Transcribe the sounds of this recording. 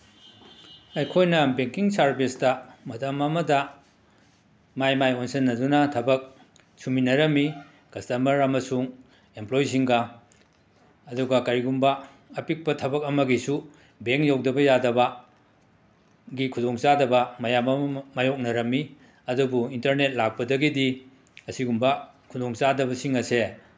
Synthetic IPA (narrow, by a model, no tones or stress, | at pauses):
ɐjkʰojnɐbeŋkiŋsaɾbestɐmɐtɐmɐmɐdɐ | majmajonsɐnːɐdunɐtʰɐbɐk̚ | sʰuminɐɾɐmːi | kɐstɐmɐɾɐmɐsuŋ | emplojs̬iŋɡɐ | ɐduɡɐkɐɾiɡumbɐː | pik̚pɐtʰɐbɐk̚ɐmɐɡisu | beŋjawdɐbɐjadɐbɐ | ɡikʰudoŋt͡ʃadɐbɐmɐjamɐmɐmajok̚nɐɾɐmːi | ɐdubuintɐɾnet̚lak̚pɐdɐɡidi | ɐsiɡumbɐkʰudoŋt͡ʃadɐbɐsiŋɐse